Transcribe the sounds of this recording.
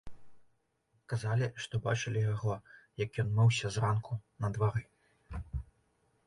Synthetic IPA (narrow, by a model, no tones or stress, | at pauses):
kazalʲiʂt̪ɔba̰t͡ʂɨlʲijaɣɔjɐkjɔnmɛwsʲɐzrankʰunɐd̪vaɾɨ